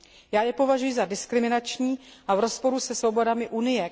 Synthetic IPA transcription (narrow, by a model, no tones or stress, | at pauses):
jaːjɛpo̞vaʒujɪzadɪskɾɪmɪnat͡ʃɲiːʔavɾo̞spo̞ɾusɛsvo̞bo̞damɪʔunɪjɛ